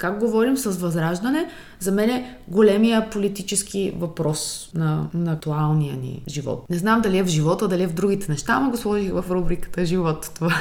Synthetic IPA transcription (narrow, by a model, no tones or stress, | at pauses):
kaɡɡovɔɾimsɐsvɐzɾaʒd̪ɐnɛ | zɐmɛnɛɡolɛmijəpolit̪it͡ʃɛskivɐpɾɔsnɐnɐk̚t̪ualˠnijə̰nḭʒivɔ̰t̪nɛznamd̪ɐliɛvʒivɔt̪əd̪ɐliɛvd̪ɾuɡ̟it̪ɛnɛʃt̪amɐɡoslˠɔʒixvɐfɾubɾikə̥t̪əʒivɔt̪t̪ova